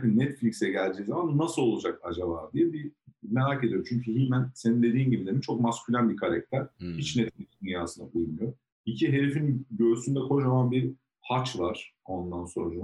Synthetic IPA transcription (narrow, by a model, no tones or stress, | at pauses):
kinɛt̪flʲicksɛɟælʲd͡ʒiːzamanːasɯlˠo̞lˠud͡ʒakad͡ʒabaːd̪ijɛbime̞ɾaːce̞d̪ijot͡ʃʰyɲcʰyɦimænse̞nind̪e̞d̪iːnɟibid̪eit͡ʃʰo̞k̚mascʰylʲænbikʰaɾac̚t̪ʰæɾ̥hit͡ʃnɛt̪flʲicsd̪ynjaːsɯnabɯunmɯjo | icʰiɦe̞ɾefinɟø̞ɾsynd̪ɛkʰo̞ʃamanbiɾ | hat͡ʃvaɾ̥o̞nd̪anso̞nɾad͡ʒam